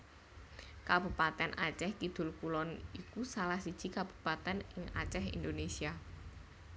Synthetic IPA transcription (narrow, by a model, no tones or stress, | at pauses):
kab̥upat̪ɛnʔa̰t͡ʃɛhkid̪̥ʊ̤lkulɔnikusalahsid̥ʒ̥i̤kab̥ṳ̥pat̪ɛnɪŋa̰t͡ʃɛɦḭnd̪onesia